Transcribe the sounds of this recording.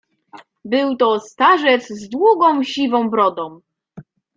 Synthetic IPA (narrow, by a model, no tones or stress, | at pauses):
bɘwt̪ɔst̪aʐɛfzd̪wuɡɔ̃w̃ɕivɔ̃w̃bɾɔd̪ɔ̃w̃